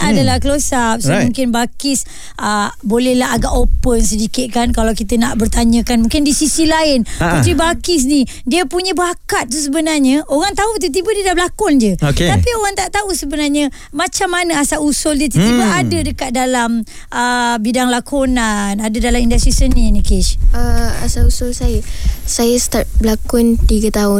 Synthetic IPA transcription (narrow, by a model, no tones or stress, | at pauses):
adalakəlosap̚somũŋkɪnbakɪs | ʔəbolɛhlaɦaɡaʔopənsədikɪt̪̚kankalawkit̪ənaʔbərt̪aɲə̃kanmũŋkɪndisisilaɪnput̪ɾibakɪs̬ni | diəpuɲəbakat̪̚ːus̬əbənarɲəoɣaŋt̪aut̪̬ut̪̬ibədiədablakɔnd͡ʒəokeapioɣaŋt̪aʔt̪ausəbənarɲə | mat͡ʃamːanəasaʔusʊld͡ʒət̪̬ut̪ibaadədəkat̪̚dalam | ʔəbidaŋlakʰonanadədalamindast̪ɾisənĩnikɪʃəa̰sausʊlsajəsajəst̪at̪̚blakɔnt̪iɡət̪aʊn